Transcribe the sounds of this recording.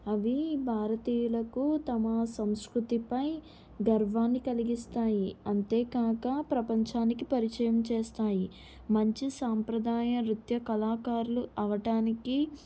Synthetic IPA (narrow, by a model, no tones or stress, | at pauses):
ɐʋibʱaːɾɐt̪iːjulɐkut̪ɐmɐsɐmskɾut̪ipɐj | ɡɐɾʋaːnːikɐliɡist̪aːjiɐnt̪eːkaːkɐpɾɐpɐɲt͡ʃaːnikipɐɾit͡ʃɐjɐmt͡ʃɛːst̪aːji | mɐɲt͡ʃisaːmpɾɐd̪ʱaːjɐɾut̪jɐkɐlaːkaːɾuluʔɐʋɐʈaːniki